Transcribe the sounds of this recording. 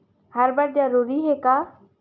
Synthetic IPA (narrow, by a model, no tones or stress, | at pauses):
həɾbəɽ̚d̪aɾuɾiɦekaː